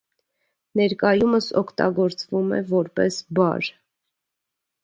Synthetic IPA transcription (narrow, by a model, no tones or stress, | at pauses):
nɛɾkɑjuməsɔkʰt̪ɑ̰ɡɔɾt͡svumɛ̰vɔɾpɛsbɑ̰ɾ